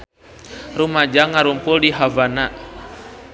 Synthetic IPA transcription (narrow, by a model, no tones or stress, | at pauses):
rumad͡ʒaŋaɾumpuldiɦavana